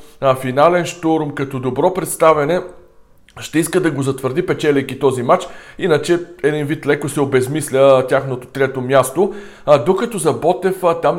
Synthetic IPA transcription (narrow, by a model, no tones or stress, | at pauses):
finalɛnʃt̪oɾmkɐt̪ɔd̪obɾɔpɾɛt̪st̪avɛnɛ | ʃt̪ɛiskəd̪ɐɡozɐt̪vəɾd̪ipɛt͡ʃɛlʲɛjkit̪ɔzimat͡ʃinət͡ʃɛɛd̪invit̪lɛkosɛobɛzmislʲət̪ʲjaxnot̪o̥t̪ɾɛt̪omʲjast̪o | d̪okɐt̪ɔzɐbɔt̪ɛft̪am